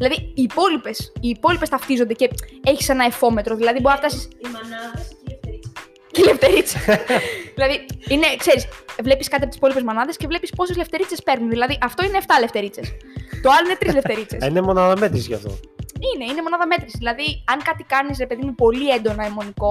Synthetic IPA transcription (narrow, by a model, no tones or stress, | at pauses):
ðilɐðiiːpo̞lipe̞siːpo̞lipe̞st̪ɐft̪izo̞nd̪eceeçi̥se̞nɐefo̞me̞t̪ɾoðilɐðiboɾisɐft̪ɐsisn | celeft̪eɾit͡se | ðilɐðiine̞kse̞ɾisvle̞piskɐt̪iɐpoisi̥po̞lipe̞zmo̞nɐðe̞scevle̞pispo̞sezleft̪e̞ɾit͡se̞spe̞ɾnunðilɐðiʔɐft̪o̞ineːft̪ɐle̞ft̪e̞ɾit͡se̞st̪o̞ɐloinet̪ɾizle̞fte̞ɾit͡sesinemo̞nɐðɐme̞t̪ɾisiʝɐ̰ft̪o̰ine̞ine̞mo̞nɐðɐme̞t̪ɾisðilɐðiɐŋkɐt̪ikɐnisɾepe̞ðimupo̞lie̞nd̪o̞nɐemo̞niko̞